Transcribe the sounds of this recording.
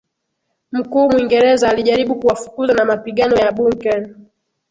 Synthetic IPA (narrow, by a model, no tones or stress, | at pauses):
m̩kuːmwiŋɡɛɾɛzaːliʄaɾiɓukuwafu̥kuzanamapiɠanɔjaɓuŋkɛn